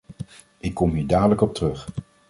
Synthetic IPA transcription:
ʔɪkːɔmɦiːɹdaːdələkɔp̚tərɵχ

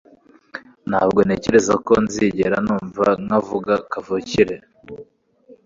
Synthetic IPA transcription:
n̥haːbɡo̞ne̞ce̞ɾe̞zako̞nziɟe̞ɾanuːɱvaŋavuɡakavuciɾe

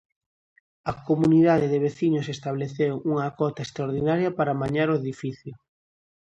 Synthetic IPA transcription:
ɐkomuniðaðeðeβ̞eθiɲʊsest̪aβleθewuŋakɔt̪aest̪ɾaoɾðinaɾjɐpaɾamaɲaɾoeðifiθjʊ

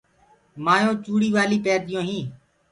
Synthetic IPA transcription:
maːjõːt͡ʃuːɽiːʋaːliːpɛːd̪ɪjõːɦĩː

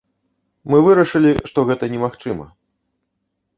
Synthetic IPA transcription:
mɨvɨɾɐʂɨlʲiʂt̪ɔɣɛt̪ɐnʲɛmaxt͡ʂɨmɐ̰

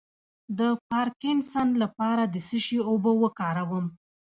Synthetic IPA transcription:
d̪əpɑɾkɪnsanlapɑɾad̪əsəʃiobowəkɑɾawəm

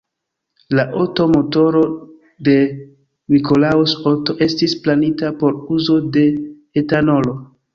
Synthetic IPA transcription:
laʔoto̞mo̞to̞ɾo̞ | de̞ | miko̞lausoto̞ʔe̞stisplanitapo̞ɾuzo̞de̞ | etano̞lo̞

